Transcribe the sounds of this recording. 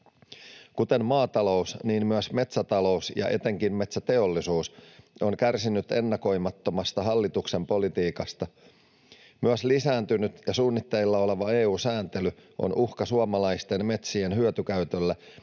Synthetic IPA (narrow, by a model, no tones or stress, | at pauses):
kut̪e̞mmɑːt̪ɑlo̞usniːmmyæsme̞t̪sæt̪ɑlo̞usjɑ̰ʔe̞t̪e̞ŋkimme̞t̪sæt̪e̞o̞lːisuːso̞ŋkærsinyt̪e̞nːɑko̞jmɑt̪ːomɑst̪ɑɦɑlːit̪ukse̞mpo̞lit̪iːkɑst̪ɑ | myæslisæːnt̪ynyt̪jɑsuːnːit̪ːeilːɑo̞le̞ʋɑeːuːsæːnt̪e̞lyʔo̰nʔuhkɑsuɑmɑlɑist̪e̞nme̞t̪sienɦyøt̪yk̟æyt̪ølːæ